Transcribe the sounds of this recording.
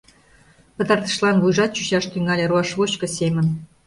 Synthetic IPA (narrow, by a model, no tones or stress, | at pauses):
pɤ̆t̪ɑrt̪ɤ̥̆ʃlˠɑnβujʐɑt̪̚t͡ɕuɕɑʃt̪yŋɑlʲĕruɑʂβot͡ɕkɤ̆sʲemʲə̆n